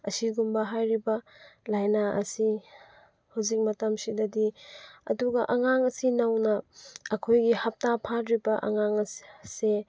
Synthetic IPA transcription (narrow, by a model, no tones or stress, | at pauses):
ɐsiɡumbɐɦajɾibɐlajnaʔɐ̰si | hawzik̚mɐtɐmsidɐdiɐ̰duɡɐʔɐŋaŋɐsinawnɐːkʰojɡihɐp̚tapʰatɾibɐʔɐ̰ŋaŋɐse